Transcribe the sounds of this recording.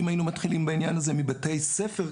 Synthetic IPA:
imajinumat̪χilimbainjanazemibatejsefe̞ʁ

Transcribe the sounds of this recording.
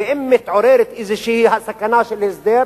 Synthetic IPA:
ɪʔɪmːɪt̪ʕʊɾeːɾɪt̪ʔɪzɪʃihhasakːanaːʃɪlhɪzd̪eːɾ

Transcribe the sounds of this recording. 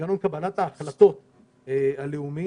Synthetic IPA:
anumkabɐlat̪aːχlat̪o̞t̪̚ | ealeumi

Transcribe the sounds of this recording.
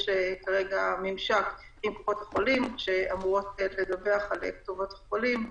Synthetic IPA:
ʃekaʁeɡamimʃak | imkoχo̞t̪haχolimʃeamuoteledabe̞aχalektuvo̞t̪haχolim

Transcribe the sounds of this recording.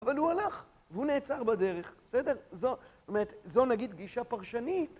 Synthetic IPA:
avalhualaχ | vehuneːt͡saʁbad̪e̞ʁe̞χbesedeʁzoomeʁet̪zo̞naɡid̪ɡiʃapaʁʃanit

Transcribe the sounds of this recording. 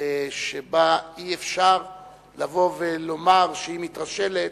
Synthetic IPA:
ʃebaiefʃaʁ | lavo̞velo̞maʁʃeimit̪ʁaʃe̞let̪

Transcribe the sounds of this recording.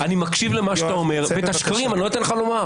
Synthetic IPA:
animakʃivlemaʃat̪ao̞me̞ʁvet̪aʃkaʁimanilojit̪enχaloma

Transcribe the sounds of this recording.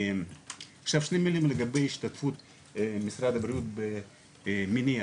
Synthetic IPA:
aχʃavʃnemilimleɡabejiʃt̪at̪fut̪ | misɾad̪abɾijut̪be | mini

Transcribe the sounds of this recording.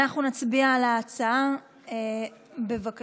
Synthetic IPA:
aχnunat͡sbialaːt͡saa | e | be̞vak

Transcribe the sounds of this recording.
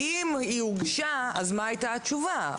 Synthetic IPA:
imiuɡʃaazmaajt̪at͡ʃuva

